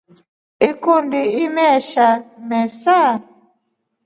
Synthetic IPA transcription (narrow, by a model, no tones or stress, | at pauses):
ikundiimɛʃamɛsa